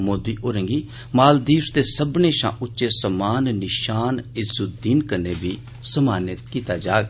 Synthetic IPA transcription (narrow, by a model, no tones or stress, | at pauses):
moːd̪iːʔoːɾə̃ŋɡiː | maːld̪iːst̪eːsəbneːʃã̰ːʔʊtːʃeːsəmaːnːɪʃaːnɪzʊd̪iːnkənːeːbiː | səmaːnɪt̪kiːt̪aːd͡ʒaːɡ